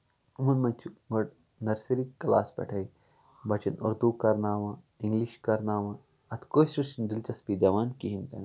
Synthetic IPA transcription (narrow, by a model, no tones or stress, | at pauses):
ʊmɐnmɐnʲt͡ʃʰuŋɡɐɽ | nɐɾsiɾikɐla̰ːsbɐ̰ʈʰɐi | bɐt͡ʃɐnʊ̰ɾd̪ukɐɾnaːʋãː | ɪ̃ŋɡliʃkɐɾnaːʋã | ɐt̪ʰkoːsɾuʃnɖɪlt͡ʃɐspid̪ɐʋaːnkiɦint̪ɐn